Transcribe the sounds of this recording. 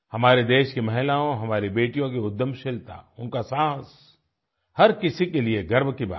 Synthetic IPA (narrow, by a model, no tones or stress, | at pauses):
hɐmaːɾed̪eːʃkimɐɦɪlaːõɦɐmaːɾibeːʈijõkeʊd̪ːəmʃɪlt̪a̰ʊnkasãːs | hɐɾkɪsikelieɡɐɾmkiba̰ː